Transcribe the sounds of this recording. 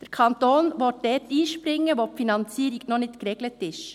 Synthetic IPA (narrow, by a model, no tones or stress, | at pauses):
d̥ɛɾkʰɑntoːnʋɔt̚dɛtiːʃpɾɪŋːəʋoːpfinɑnt͡siːɾiɡnonɪtkɾeɡlətɪʃ